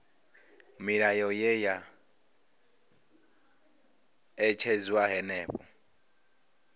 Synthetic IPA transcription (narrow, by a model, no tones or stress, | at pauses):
miɾajɔjɛja | ɛt͡ʃʰɛzwaɦɛnɛːɸɔ